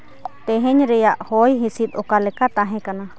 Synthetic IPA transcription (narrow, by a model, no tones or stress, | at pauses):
t̪ɛɦɛ̃ɲɾɛjaʔhɔjɦisit̪̚ɔkalɛkat̪aɦɛ̃kana